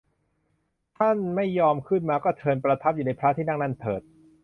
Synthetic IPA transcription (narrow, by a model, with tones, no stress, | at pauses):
t̪ʰa˥˩nma˥˩jːɔː˧mkʰɯ˥˩nmaː˧kɔː˥˩t̪ʰɤː˧npɾa˧t̪ʰa˦˥p̚juː˨˩na˧˥jpʰɾaː˦˥t̪ʰiː˥˩na˥˩ŋna˥˩nt̪ʰɤ̰ː˨˩t̪̚